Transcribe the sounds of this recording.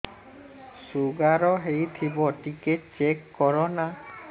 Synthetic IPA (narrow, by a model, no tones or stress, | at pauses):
suɡaɾɔɦejt̪ʰibɔʈiket͡ʃekːɔɾɔna